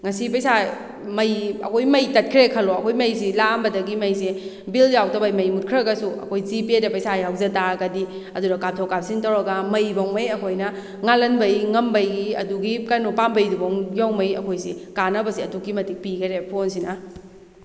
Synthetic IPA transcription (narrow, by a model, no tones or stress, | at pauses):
ŋɐsipɐjsa | mɐjɐ̰kʰojmɐjtɐt̚kʰɾekʰɐloɐkʰojmɐjsilambɐdɐɡimɐjsi | biljawtɐbɐjmɐjmut̚kʰɾɐɡɐsuɐ̰kʰojzipiedɐpɐjsajawzɐtaɡɐdi | ɐdunɐkap̚tʰokap̚siŋtɐwɾɐɡɐmɐjbɐŋmɐjɐkʰojnɐ | ŋalɐnbɐjŋɐmbɐjɡiɐ̰duɡikɐnupambɐjduboŋjawmɐjɐ̰kʰojsikanɐbɐsiɐdukːimɐtik̚piɡɐɾepʰonsinɐ